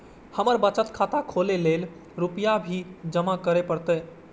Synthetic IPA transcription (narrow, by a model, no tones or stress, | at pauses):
həməɾbət͡ʃət̪kʰat̪akʰolelel | ɾupəjabʱid͡ʒəmakəɾepəɾt̪ə